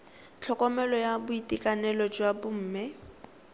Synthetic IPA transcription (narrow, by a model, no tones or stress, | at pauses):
t͡ɬʰɔkʼɔmɛlɔjabʊitʼikʼanɛlɔd͡ʒwabʊm̩ːmɛ